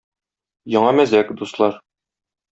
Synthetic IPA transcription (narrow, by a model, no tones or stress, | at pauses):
jɒɴɑmæzækd̪uslˠɑɾ